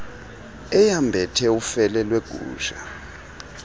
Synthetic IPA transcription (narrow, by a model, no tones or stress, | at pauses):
ɛjambʱɛtʰɛufɛlɛlweɡ̥ʱṵːʃa̰